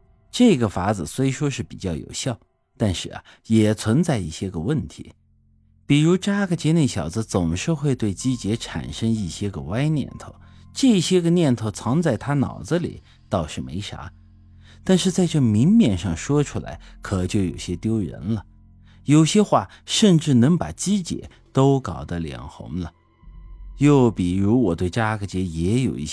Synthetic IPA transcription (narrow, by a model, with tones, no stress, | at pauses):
ʈ͡ʂɤ˥˩ɡə˩fa˧˥d͡zɹ̩˨˩swɔ˧˥i˧˥ʂwɔ˥ʂɻ̩˥˩pḭ˨˩t͡ɕjɑ˥˩ʊjo̰˨˩ʊɕjɑ˥˩ʊ | t̪a˥˧nʂɻ̩˥˩ɐ̰˩ | jɛ˨˩t͡sʰwə˧˥nt͡sa˥˧ɪi˥˩ɕjɛ˥ɡə˨˩wə˥˩nt̪ʰḭ˧˥ | pi˨˩ɻu˧˥ʈ͡ʂa˥ɡə˨t͡ɕjɛ˧˥ne˥˩ɕjɑ˨˩ʊd͡zɹ̩˧t͡sʊ˨˩ŋʂɻ̩˥˧xwe˥˧ɪt̪we˥˩ɪt͡ɕi˥t͡ɕjɛ˧˥ʈ͡ʂʰa̰˨˩nʂə˥ŋi˥˩ɕjɛ˥ɡə̰˨˩wa˥ɪnjɛ̰˥˩nt̪ʰo˥˩ʊʈ͡ʂɤ˥˩i˧˩ɕjɛ˥ɡə˨njɛ˥˧nt̪ʰo˥˩ʊt͡sʰɑ˧˥ŋt͡sa˥˩ɪt̪ʰa˥nɑ̰˨˩ʊd͡zə˦lḭ˨˩˦ | t̪ɑ˥˧ʊʂɻ̩˥˩mḛ˧˥ɪʂa̰˧˥ | t̪a˥˧nʂɻ̩˥˧t͡sa˥˧ɪʈ͡ʂɤ˥˩mi˧˥ŋmjɛ˥˩nʂɑ˥˩ŋʂwɔ˥ʈ͡ʂʰu˥la̰˧˥ɪkʰɤ˨˩t͡ɕjo˥˩ʊjo˨˩ʊɕjɛ˥t̪jo˥ʊɻə̰˧˥nlə˧ | jo˨˩ʊɕjɛ˥xwa˥˩ | ʂə˥˧nʈ͡ʂɻ̩˥˩nɤ˧˥ŋpa̰˨˩t͡ɕi˥t͡ɕjɛ̰˧˥ | t̪o˥ʊkɑ˨˩ʊd̪ə˦ljɛ̰˨˩ŋxʊ̰˧˥ŋlə˨ | jo˥˩ʊpi˨˩ɻu˧˥wɔ˨˩t̪we˥˩ɪʈ͡ʂa˥ɡə˩t͡ɕjɛ˧˥jɛ˧˥jo˨˩ʊḭ˥˩˥